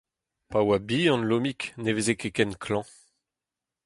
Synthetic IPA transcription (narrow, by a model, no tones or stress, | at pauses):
pawabiɑ̃nlomiknevezekekɛnkʰlɑ̃